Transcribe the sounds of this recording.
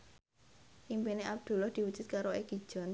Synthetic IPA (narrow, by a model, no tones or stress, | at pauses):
ʔimpineʔab̚d̪̥ṳlɔhd̪̥i̤wud̥ʒ̥ṳt̪̚kaɾoeɡ̥i̥ʒ̥ɔ̤n